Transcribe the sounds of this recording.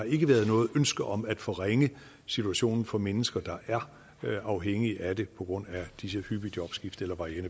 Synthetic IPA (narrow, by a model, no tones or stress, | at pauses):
ɑ̈e̝ɡ̥əʋæɐð̞ˠnɔ̽ːð̩ˠønsɡ̥ɐʔɒ̽mæd̥fɒ̽ʁeŋə | sit͡sʰuæɕo̝̰ːnn̩fɒ̽menəsɡ̥ɐd̥ɑ̈ʔæɐ | ɑ̈ʊɦeŋ̰iʔæd̥e̝pʰɒ̽ɡ̥ʁɔ̽n̰æd̥isəhyb̥id̥jɒ̽b̥sɡ̥ifd̥elɐʋɑ̈ienə